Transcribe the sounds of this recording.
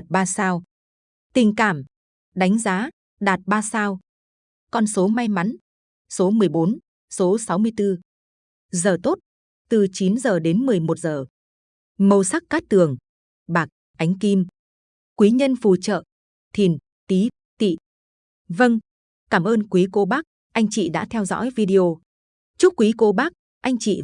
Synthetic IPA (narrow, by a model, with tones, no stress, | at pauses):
a˨˩t̚ɓaː˧saː˧w | t̪ï˨˩ŋ̟kaː˧˩m | ɗa˨˦jŋ̟zaː˨˦ | ɗaː˨˩t̚ɓaː˧saː˧w | kɔ˧nso˨˦ma˧jma˨˦n | so˨˦mɨ˨˩əjɓo˨˦n | so˨˦sa˨˦wmɨ˧əjt̪ɨ˧ | zəː˨˩t̪o˦˥t̚ | t̪ɨ˨˩t͡ɕi˨˦nzəː˨˩ɗe˨˦nmɨ˨˩əjmo˨˩t̚zəː˨˩ | mə˧˩wsa˦˥k̚kaː˦˥k̚t̪ɨ˨˩əŋ | ɓaː˨˩k̚ | ʔa˨˦jŋ̟ki˧m | kwi˨˦ɲə˧nfu˨˩t͡ɕə̰ː˧˨ | t̪ʰi˨˩n | t̪i˨˦ | t̪ḭ˧˨ | və˧ŋ | kaː˧˩mʔəː˧nkwi˨˦ko˨˦ɓaː˦˥k̚ | ʔa˧jŋ̟t͡ɕḭ˧˨ɗa̰ː˧˥t̪ʰɛ˧wzɔ̰˧˥jvi˧ɗi˧o˧ | t͡ɕʊu˦˥k͡p̚kwi˨˦ko˨˦ɓaː˦˥k̚ | ʔa˧jŋ̟t͡ɕḭ˧˨